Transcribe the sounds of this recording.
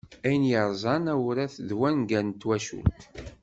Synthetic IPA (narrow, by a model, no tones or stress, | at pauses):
æjənjəɾˤzˤɑnæwɾæθðwænɡænt̪ːwæʃṵlt̪